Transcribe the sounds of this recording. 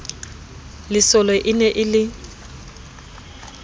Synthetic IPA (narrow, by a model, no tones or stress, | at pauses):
lɪsɔlɔʔɪnɛʔɪlɪ